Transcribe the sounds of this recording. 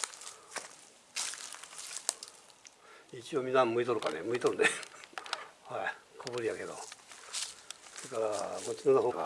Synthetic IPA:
it͡ɕio̞mʲĩnːamɯ̟it̪o̞ɾɯka̰nemɯ̟it̪oɾɯne | haikʰoβɯɾijake̞d̪o̰ | soekaɾakot͡ɕinanoɦoːɡa̰

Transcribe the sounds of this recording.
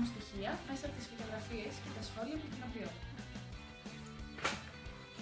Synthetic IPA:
ust̪içiɐmesɐpot̪isfit̪o̞ɣɾɐfie̞scet̪ɐsxo̞liɐt̪ucinopio

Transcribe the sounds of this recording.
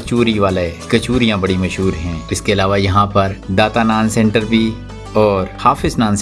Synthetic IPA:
ɐt͡ʃuːɾiʋaːlekɐt͡ʃuːɾijãbɐɽimɐʃɦuːɾɦɛ̃ːɪskeɐlaːʋajɐɦãpɐɾd̪aːt̪anaːnsɛ̃ɳʈəɾbʱi | ɔːɾhaːfɪznaːns

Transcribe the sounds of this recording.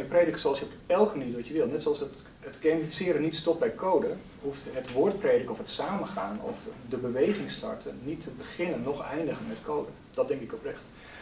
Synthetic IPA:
əpreːdəkəsoɑlˠsjəɔpɛlˠkəməniːtʋɔtjəʋɪlˠnɛtsoɔlˠsət | ətɡeːmifisɪːɾənitstɔp̚bɛjkʰowdə | huftɦətʋoːrtpreːdəkəɔfətsaːməχaːnɔ̰fdəbəʋejχɪŋstɑ̰rtʰənnitʰəbəχɪnənːɔχɛjndəɣənmɛtkʰowdə | d̥ɔtdɛŋkɪkɔprɛxt

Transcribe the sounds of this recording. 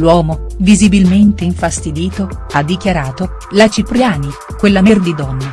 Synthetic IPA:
lwɔːmovizibilment̪eiɱfast̪id̪iːt̪oad̪ːikjaɾaːt̪o | lat͡ʃipɾjaːni | kwelːamerd̪id̪ɔnːe

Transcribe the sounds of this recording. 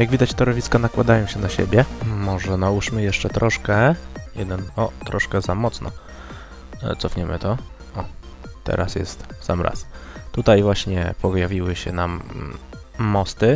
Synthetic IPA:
jaɡvʲid̪at͡ɕt̪ɔɾɔvʲiskanakwad̪ajɔ̃w̃ɕɛnaɕḛbʲjɛmɔʐɛnauʂmɘjɛʂt͡ʂɛt̪ɾʔɔʂkɛjɛd̪ɛnɔt̪ɾɔʂkɛzamɔt̪snɔ̰ | t̪sɔfɲɛmʔɘ̰t̪ɔ | ɔt̪ɛ̰ɾʔasjɛ̰st̪sa̰mɾa̰st̪ut̪ajvwaɕɲɛ̰pʰɔjavʲiwɘɕɛnam | ɔst̪ɘ

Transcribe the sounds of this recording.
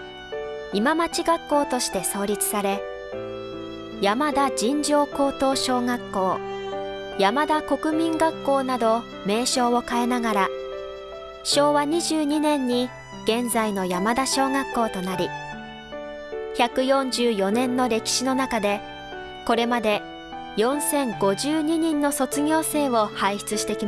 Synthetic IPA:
imamat͡ɕiɡakːo̞ːt̪o̞ɕi̥t̪e̞so̞ːɾʲit͡sɨ̥saɾe̞ | jamad̪ad͡ʑĩɲ̟d͡ʑo̞ːko̞ːt̪o̞ːɕo̞ːŋakːo̞ː | jamad̪ako̞kɯ̟mʲĩŋɡakːo̞ːnad̪o̞ | me̞ːɕo̞ːo̞kaenaɡaɾa | ɕo̞ːβaɲ̟iʑɨːɲ̟inẽ̞ɲ̟ːi | ɡ̥ẽ̞nd͡zaino̞jamad̪aɕo̞ːŋakːo̞ːt̪o̞naɾʲi | çakɯ̟jõ̞ɲd͡ʑɨːjo̞nẽ̞nːo̞ɾe̞kʲi̥ɕino̞nakad̪e̞ | ko̞ɾe̞mad̪e̞ | jõ̞ɰ̃sẽ̞ŋɡo̞ʑɨːɲ̟iɲ̟ĩnːo̞so̞t͡sɨɡʲo̞ːse̞ːβo̞haiçi̥t͡sɨɕi̥t̪e̞kʲima

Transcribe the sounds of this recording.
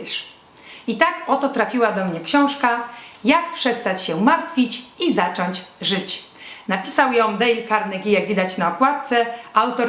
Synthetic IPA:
ʂ | it̪akɔt̪ɔt̪ɾafʲiwad̪ɔmɲɛkɕɔ̃w̃ʂkajakpʂɛst̪at͡ɕɕɛumaɾt̪fʲit͡ɕizat͡ʂɔɲt͡ɕʐɘt͡ɕ | napʲisawjɔ̃w̃d̪ɛjlkaɾnɛɡʲijaɡvʲid̪at͡ɕnaɔkwat̪̚t̪sɛawt̪ɔɾ

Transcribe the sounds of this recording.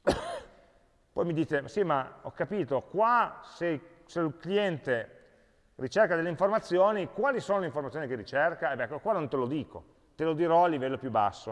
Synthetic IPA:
pɔjmid̪iːt̪esimaɔ̰kːapiːt̪okwase | selkliɛnt̪e | rit͡ʃerkad̪elːeiɱformat̪sːjoːnikwaːlisoːnoleiɱformat̪jonikerit͡ʃerkaɛbɛkkːwanõnt̪elod̪iːko | t̪elod̪iɾɔalːivɛlːopjubːa̰sːo̰

